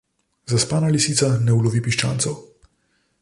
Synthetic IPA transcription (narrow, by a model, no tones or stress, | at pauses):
zaspaːnalisiːsanɛulɔʋipiʃt͡ʃa̰ːnsɔw